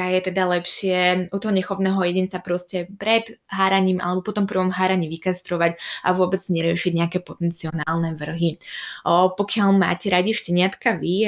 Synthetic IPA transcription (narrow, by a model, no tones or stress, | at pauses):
ajɛt̪ɛd̪alɛpʃɪɛut̪ɔɦɔɲɛxɔʋnɛːɦɔjɛɟɛnt͡sapɾɔscɛpɾɛd̪ɦaːɾaɲiːmʔa̰lɛbɔpɔt̪ɔmpr̩ʋɔmɦaːɾaɲiːʋikast̪ɾɔʋaca̰ʋʊɔbɛd͡zɲɛɾɪɛʃiɟɲɛakɛːpɔt̪ɛnt͡siɔnaːlˠnɛʋr̩ɦi | pɔkɪalma̰ːcɛɾaɟiʃcɛɲɪat̪kaʋi